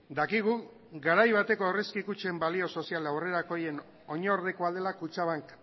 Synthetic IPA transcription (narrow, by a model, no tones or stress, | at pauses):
d̪akiɣ̞u | ɡaɾajβat̪e̞ko̞ereskikut͡ʃembalio̞so̞sialawre̞ɾako̞je̞n | o̞ɲoɾðekoaðe̞lakut͡ʃaβ̞aŋk